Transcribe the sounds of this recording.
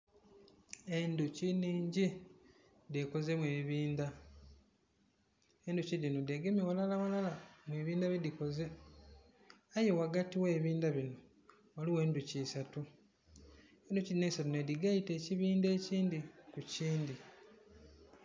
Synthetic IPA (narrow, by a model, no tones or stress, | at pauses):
enduciniːɲɟi | de̞ko̞ze̞mweβiːnda | enducidinodeɡemiwalalawalalamweβiːndaβidiko̞ze̞ | ajewaɡatiwe̞ːβiːndaβino | waliwe̞ːnducisatu | enducinesatunediɡaite̞ːciβiːnde̞ːciːndikuciːndi